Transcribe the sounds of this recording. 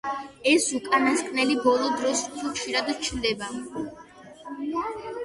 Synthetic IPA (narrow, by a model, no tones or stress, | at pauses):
ɛsukʼanaskʼnɛlibɔlˠɔd̪ɾɔst̪ʰukʃiɾad̪t͡ʃʰid̪ɛba